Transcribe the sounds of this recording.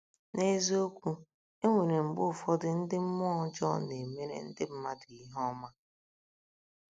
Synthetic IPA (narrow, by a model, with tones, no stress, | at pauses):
ne˦zo˦kʷu˦ | e˦ŋʷe˨ɾe˨ŋ͡m̩˨ɡ͡bʊ˦˨fɔ˦dɪ˦n̩˦dɪ˦m̩˦mɔ˦ɔ˦d͡ʒɔ̰˦ne˨me˦ɾḛ˨n̩˦dɪ˦m̩˦ma˦di˨i˦ɦɔ˦ma˦